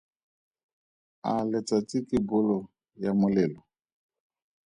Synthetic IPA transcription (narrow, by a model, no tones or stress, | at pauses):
alɛt͡satikibʊlɔ | jamʊlɛlɔ